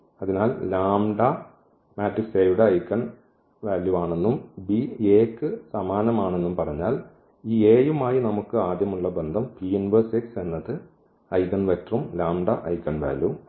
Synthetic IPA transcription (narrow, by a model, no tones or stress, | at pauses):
ɐðinaːllaːmɖɐ | maːtrikseːjʋɽeɐjkːɐɳ | ʋaːljuaːɳe̞nːumbieːkːɨsɐmaːnɐmaːɳe̞nːumpɐrɐɲːaːl | iːeːjumaːjinɐmukːɨaːd̪jɐmuɭːɐbe̞nd̪ʱɐmpiinʋɐsikse̞nːɐðɨ | ɐjkːɐɳʋeʈrumlaːmɖɐʔɐ̰jkːɐɳʋa̰ːlju